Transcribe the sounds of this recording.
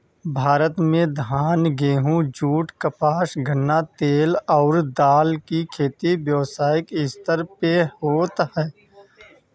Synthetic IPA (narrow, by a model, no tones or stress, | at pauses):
bʱaːɾət̪mẽd̪ʱaːnɡeːɦũd͡ʒuːʈkəpaːʃɡʱənːat̪eːlɔːɾd̪aːlkikʰeːt̪iʋjəʋsaːɪkɪst̪əɾpehoːt̪hɛː